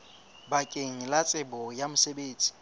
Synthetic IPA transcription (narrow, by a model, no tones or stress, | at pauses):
bakʼeŋ̩lat͡sʼɪbɔjamʊsebeːd͡z̥ʼi̥